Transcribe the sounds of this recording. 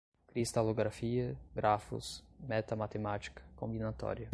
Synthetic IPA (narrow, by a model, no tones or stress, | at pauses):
kɾist̪aloɡɾafiɐɡɾafṵsmɛt̪ɐmat̪emat͡ʃi̥kɐ̥kõmbinat̪ɔ̰ɾjɐ